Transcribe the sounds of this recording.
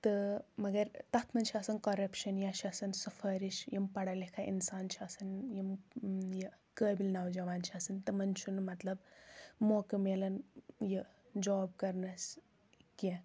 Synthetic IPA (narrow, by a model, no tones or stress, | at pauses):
t̪ɨmɐɡɐɾt̪ɐt̪ʰmɐnt͡ʃʰiɐsɐnkɐɾɐpʃɐnjat͡ʃʰɐsɐnsɨfʰɐɾiʃjimpɐɽɐlekʰaʔḭnsaːnt͡ʃʰiɐsɐnjimjɐ | kəːbilnawd͡ʒɐʋaːnt͡ʃʰiɐsɐnt̪ɨmɐnt͡ʃʰunmɐt̪lɐbmokɨmelɐnjə | d͡ʒoːb̚kɐɾnɐs | ke